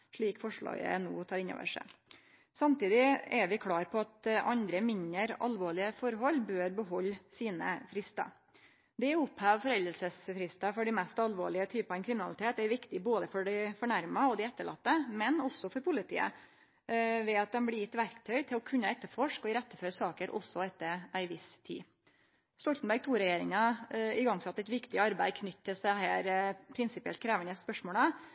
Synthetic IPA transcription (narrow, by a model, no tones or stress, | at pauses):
ʂɭiːkfɔʂɭɑ̰ːɡə̰no̰ːt̪ʰɑːɾɪnːɑ̰ʋə̰ʂɛ̰ | sɑmt̪iːd̪ɪɛɾʋɪkʰlɑːɾpʰɔɑt̪ɑ̰nd̪ɾəmɪnəɾɑ̰lʋoːɭɪəfɔɾɦɔlːbøːɾbəɦɔlːsiːnə̰fɾɪst̪ɑ̰ | d̪ɛɔʊphɑːʋfɔɾɛlːəlsəsfɾɪst̪ɑfɔɖɪmɛst̪ɑlʋo̰ːɭɪət̪ʰyːpɑnkʰɾɪmɪnɑlɪt̪ʰeːt̪æɾʋɪkt̪ɪboːd̪əfɔɖɪfɔɳæɾmɑɔd̪ɪɛt̪ːəɭɑ̰t̪ːəmɛnɔsːɔfɔɾpʰʊlɪt̪ʰḭːə̰ | ʋɛɑt̪̚d̪ɛmblɪɪt̪ʋæɾkt̪ʰœʏt̪ʰɪlɔkʰʉnːəɛt̪ːəɾfɔʂkɔɪɾɛt̪ːəføːɾəsɑːkəɾʔɔ̰sːɔɛt̪ːəɾæɪʋɪst̪ʰḭː | st̪ɔlt̪n̩bæɾɡt̪ʰuːɾɛjeːɾɪŋɑɪɡɑŋsɑt̪ːɛɪt̪ʋɪkt̪ɪɑɾbæɪkʰnʏt̪ːʰəsɛhæːɾpʰɾɪnsɪpɪɛ̰lt̪kʰɾeːʋənəspœʂmoːɭə